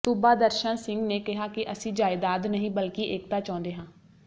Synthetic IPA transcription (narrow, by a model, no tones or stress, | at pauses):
sʊbaːd̪əɾʃənsɪŋɡneːkɪɦaːkɪʔəsĩːd͡ʒaːɪd̪aːd̪nəɦĩːbəlkɪʔeːk̚t̪aːt͡ʃãːʊ̃nd̪eːɦãː